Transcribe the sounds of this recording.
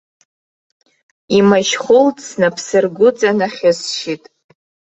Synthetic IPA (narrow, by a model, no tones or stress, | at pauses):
imaʃχʊltsnapʰsɨrɡʷʊd͡zanaχʲɪsʃitʼ